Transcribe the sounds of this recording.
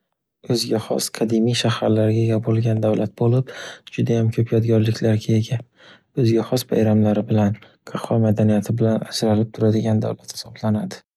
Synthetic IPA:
ɵzɡʲaχɒ̰sqʰɑd̪imijʃahaɾlaɾɡʲaɡʲabolˠɡʲand̪avlʔat̪̚bolɪpd͡ʒʊd̪ajamkʲʰɵpʰjɒd̪ɡʲɒɾlɪkʲlaɾɡʲaeɡʲa | ɵzɡʲaχɒspʰa̰jɾamlaɾɪbɪlan | qʰɑχʰɒmad̪anijat̪ʰɪbɪlanad͡ʒɾalɪp̚t̪ʰʊɾad̪ɪɡʲand̪a̰wlat̪hɪ̥sɒblanad̪ɪ

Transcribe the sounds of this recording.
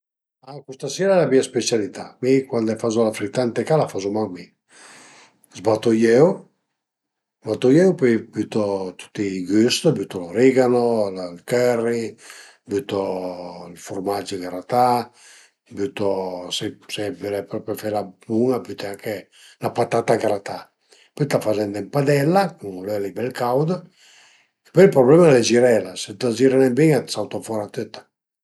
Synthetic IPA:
akust̪asɛːɾaɛlabiaspet͡ʃalit̪amikwand̪ɛfazɔlafɾit̪ːant̪ekalafazomami | zbat̪ːojɛw | bat̪ːɔjɛwpɔjbyt̪ɔt̪ʰu̥t̪ːiɡyst̪byt̪ɔloɾiɡanollkɛrːi | byt̪ɔlfuɾmad͡ʒəɡaɾat̪a | byt̪ːosɛsɛbylɛpɾɔpɾɔfɛlabuŋabyt̪ɛaŋke | lapat̪at̪aɡɾat̪a | pyt̪afad͡ʒɛnd̪ɛmpad̪ɛlːakuŋlɛlibɛlkawd̪ə̥ | pølpɾɔblɛmaled͡ʒiɾɛlaset̪ut̪ad͡ʒiɾanɛbiŋasawt̪afɔɾat̪øt̪ːḁ

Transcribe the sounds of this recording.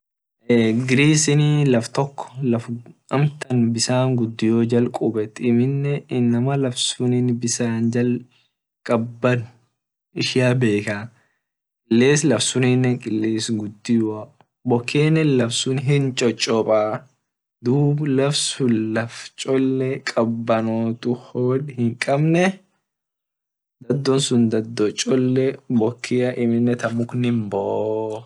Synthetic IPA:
ɡɪɾiːsɪnlɐft̪ɔkːɔ̥lɐfʔɐmt̪ɐnbɪsaːŋɡʊd̪ːɪjoːd͡ʒɐlkʼʊbɛt̪ːɪmɪnːɛɪnːɐmɐlɐfsʊnɪnbɪsaːnd͡ʒɐl | kʼɐbːɐnʊ̥ | ɪʃɪjabe̞ːkaː | kʼɪlːeːslɐfsʊnɪnːɛkʼɪlːeːsɡʊd̪ːɪja | bɔkʰːeːnːɛlɐfsʊnɦɪnt͡ʃʼɔt͡ʃʼːɔpʼaː | d̪uːblɐfsʊnlɐft͡ʃʼɔlːɛkʼɐbːɐnoːt̪ʊhoːdhɪŋkʼɐbnɛ | d̪ɐd̪ːɔnsʊnd̪ɐd̪ːɔt͡ʃʼɔlːɛbɔkʰːɪjɐʔɪmɪnːɛt̪ɐmʊknɪmbɔʔ

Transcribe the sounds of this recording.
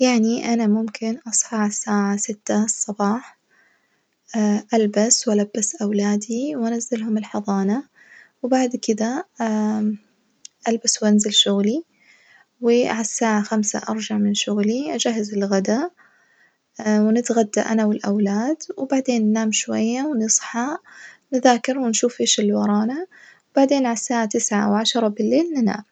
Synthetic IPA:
jaʕniʔanamʊmkɪnʔɑsˤħɑʕasːaːʕasɪt̪ːasˤːɑbɑːħ | ʔalbaswʔalabːasʔawlaːd̪iwʔanazːalɦʊmɪlħɑðˤɑːna | wbaʕd̪kɪd̪a | ʔalbaswʔanzɪlʃʊɣli | wɪʕasːaːʕaxamsa̰ʔɑ̰ɾˤd͡ʒaʕmɪnʃʊɣliʔad͡ʒaɦːazɪlɣad̪a | wnɪt̪ɣad̪ːa̰ʔanawɪlʔawlaːd̪wbaʕd̪eːnːnaːmʃwa̰jːawnɨsˤħɑnɪðaːkɪɾwɪnʃuːfeːʃɪlwɑɾˤɑːnawb̥aʕd̪eːnʕasːaːʕat̪ɪsʕa̰wʕaʃɾˤɑbɪlːeːlnɪna̰ːm

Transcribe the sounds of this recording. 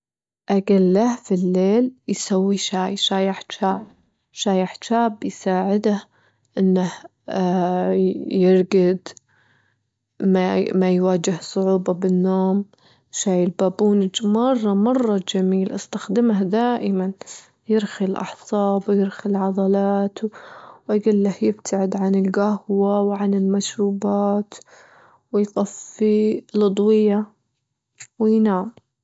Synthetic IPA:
ʔaɡalːahfilːeːljsawːiʃaːjʃaːjaħt͡ʃaːb | ʃaːjaħtaːbjsaːʕɪd̪ah | ʔɪnːah | jɪɾɡɪd̪ | mamajwaːd͡ʒɪhsˤʊʕuːbɑbɪnːoːm | ʃaːjɪlbaːbuːnɪd͡ʒmɑrˤːɑmɑrˤːɑd͡ʒamiːlʔast̪axd̪ɪmahd̪aːʔɪman | jɪɾxɪlʔɑ̰ħsˤɑːbwjɪɾxɪlʕɑd̪ˤɑlɑːt̪waɡɪlːahjɪb̚t̪ʰaʕɪd̪ʕanɪlɡahwawʕanɪlmaʃɾuːbaːt̪ | wɪjt̪ˤɑfːilʊd̪ˤwɪja | wɪjnaːm

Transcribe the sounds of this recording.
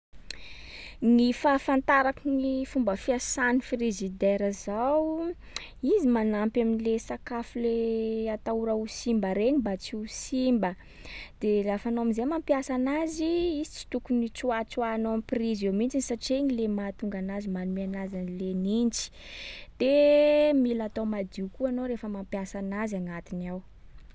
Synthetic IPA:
nifafant̪aɾakunifumbəfiasanifirezid̪ɛɾəzawu | izimanampjaminilesakafuleat̪auɾausimbəɾeɲibat͡siusimbə | d̪̥elafanoamizemampjasanaziizit͡si̥t̪ukunit͡suat͡swanoamiprizewmint͡ʃinisaʈ͡ʂeɲilemat̪uŋɡanazimanumianazanilenint͡ʃi̥d̪̥emilat̪owmad̪iukuanoɾefəmampjasanazanat̪inaw

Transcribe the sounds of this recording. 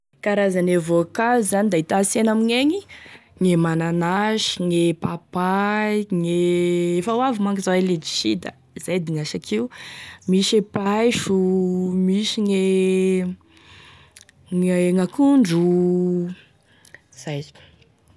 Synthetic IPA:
kaɾazanevokalzanid̪ait̪asenamiɲeŋiŋemananaʃi̥ŋepapaiŋeefawavimaŋkizawaled͡ʒi̥ʃid̪a̰ | zajd̪iŋaʃakʰiumiʃepajʃumiʃiŋe | eŋakuɳɖ͡ʐu | z̥ajz̥

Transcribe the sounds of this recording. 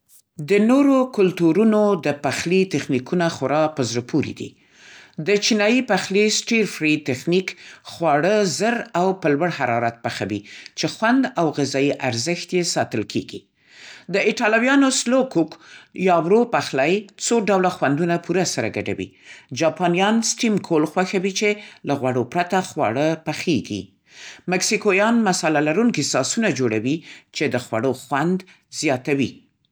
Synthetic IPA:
d̪ənoɾokʊlt̪uɾunod̪əpaxlit̪exnikunaxʊɾɑpəzɾəpʰuɾḭd̪ḭ | d̪ət͡ʃinɑjipaxlisʈiɾfɾit̪axnikxwɑɽəzəɾawpəlwəɽhaɾɑɾat̪̚paxawit͡ʃexwand̪awɣɪzɑiʔaɾzəxt̪jesɑt̪əlkʰḛɡḭ | d̪əɪʈɑlawjɑnoslokukjɑwɾopaxlajt͡soɖawlaxwand̪unapuɾasaɾaɡaɖa̰wḭd͡ʒɑpɑnijɑnsʈimkʰolxwaxawit͡ʃelaɣwaɽopɾat̪axwa̰ɽəpaxeɡḭ | maksikojɑnmasalalaɾuŋkisɑsunad͡ʒoɽawit͡ʃed̪əxwa̰ɽoxwand̪ | zjɑt̪awi

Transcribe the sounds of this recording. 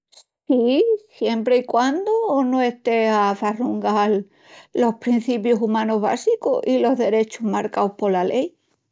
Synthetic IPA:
s | isje̞mpɾeikwand̪onoe̞st̪e̞afaruŋɡal | lo̞hpɾin̟θip̬josumãnoɦβa̰sikoilo̞ɦðe̞ɾe̞t͡ʃoɦmaɾkaowhpo̞lalʔe̞j

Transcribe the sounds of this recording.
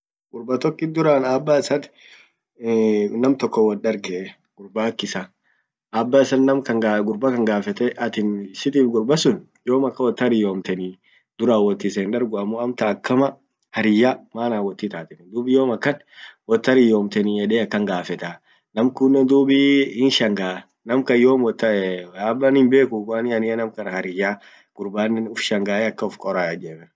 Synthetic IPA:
ɡʊɾbɐt̪ɔkːɪd̪ʊɾaːnaːbːaːɪsɐt̪ | nɐmt̪ɔkːɔwɐnɗɐɾɡɛ | ɡ̥ʊɾbaːkːɪsa | ʔaːbːaːɪsɐnnɐmkɐŋɡaɡʊɾbakɐŋɡaːfɛt̪ɛʔɐt̪ɪnsɪt̪iːfɡʊɾbɐsʊn | joːmɐkːɐwɔt̪ːɐɾɪjoːmt̪ɛniː | d̪ʊɾaːwɔt̪ːiseːnᶑɐɾɡʊɐmːoːɐmt̪ɐːkːɐmɐ | hɐɾɪjːaːmaːnaːwɔt̪ːit̪aːt̪ɛnd̪uːbɪjoːmɐkːɐn | wɔt̪ːɐɾɪjoːmt̪ɛnijɛᶑeːɐkːɐŋɡaːfɛt̪a | nɐmkʊnːɛnd̪uːbihɪnʃɐŋɡaː | nɐmkɐjoːmwɔt̪ːɐɛaːbːɐnhɪmbe̞ːkʊwaːnɪɐnɪjɐnɐmkɐnɐhɐɾɪjaː | ɡ̥ʊɾbaːnːɛnʊfʃɐŋɡaːɛɐkːɐʊfkʼɔɾajɐd͡ʒɛbɛ

